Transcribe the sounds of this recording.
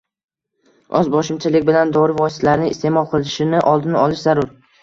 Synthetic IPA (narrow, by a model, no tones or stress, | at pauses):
ʔɒzbɒʃɪmt͡ʃʰalɪkʲbɪland̪ɒɾɪvɒst̪ʰlaɾnɪŋɪst̪e̞mɒlˠqʰɨlˠɪʃɪnɪʔɒlˠd̪ɪnɪɒlɪʃzaɾʊɾ